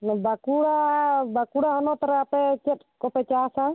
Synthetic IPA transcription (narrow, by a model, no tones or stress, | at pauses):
nbakuɽabakuɽaɦɔnɔt̪ɾɛapɛt͡ʃɛt̚kɔpɛt͡ʃasã